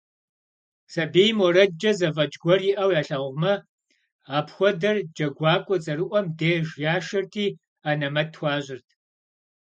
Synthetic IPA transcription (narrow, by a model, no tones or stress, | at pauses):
sɐbeːjmwɔɾɐd͡ʒɐzɐvɐd͡ʒʼɡʷɔrjiʔɐwjaːɬaːwʷmɐ | aːpxʷɔdɐrd͡ʒɐɡʷɑːkʷʼɔt͡sʼɐɾɨʔʷɔmdeːʒjaːʃɐrtʰiː | aːnɐmɐtʰwʷɑːʑɪrtʰ